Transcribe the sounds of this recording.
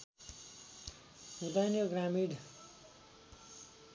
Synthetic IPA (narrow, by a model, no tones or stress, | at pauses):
ud̪ajnoɡɾamiɖ